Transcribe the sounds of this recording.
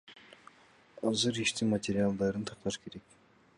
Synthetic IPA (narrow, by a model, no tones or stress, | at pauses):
ɑzɯɾiʃt̪imat̪ʲeɾʲialˠd̪ɑɾɯnt̪ʰɑq̚t̪ɑʃkʰe̞ɾe̞k